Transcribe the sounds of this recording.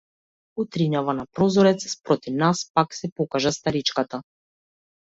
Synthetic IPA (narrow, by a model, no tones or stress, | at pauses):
ut̪ɾiɲavanapɾɔzɔɾɛt̪sspɾɔt̪ivnaspaksɛpɔkaʒast̪aɾit͡ʃkat̪a